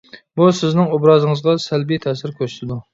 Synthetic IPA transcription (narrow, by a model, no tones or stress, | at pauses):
busɪznɪŋobɾɑːzɨŋəzʁɑsælbijt̪ʰɛsɪɾkʲʰøst̪ʰɪd̪u